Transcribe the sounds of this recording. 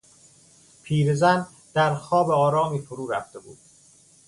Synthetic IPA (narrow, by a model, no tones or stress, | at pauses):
pʰiːɾezæn | d̪̥æɾxɒːbeɒːɾɒːmiːfoɾuːɾæ̰ft̪e̞bṵːd̪̥